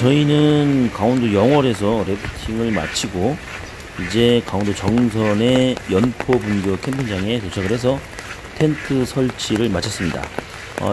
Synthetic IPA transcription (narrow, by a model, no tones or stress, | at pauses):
t͡ɕʌinɯnkaondojʌŋwʌɾe̞s̬ʰʌɾe̞pʰutʰiŋɯɭma̰t͡ɕʰiɡo | id͡ʑe̞kaondot͡ɕʌŋsʰʌne̞jʌnpʰobunɡjokʰe̞mpʰind͡ʑaŋe̞tot͡ɕʰaɡɯɾɦe̞s̬ʰʌ | tʰe̞ntʰɯsʰʌɭt͡ɕʰiɾɯɭmat͡ɕʰʌs͈ɯmɲida̰ | ʌ̰